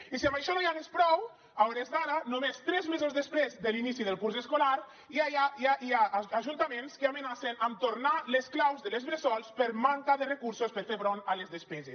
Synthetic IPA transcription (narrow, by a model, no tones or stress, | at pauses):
isiambajʃɔnojaɣespɾɔw | awɾezðaɾanomest̪ɾɛzmezozðespɾezd̪elinisiðəlˠkuɾseskolaɾ | iajajaʔiaːʒunt̪amenskeamenasenamt̪oɾnalesklawzðəelezβɾezɔlˠspəɾmaŋkaðərekuɾsospəɾfeβɾonalezðespɛze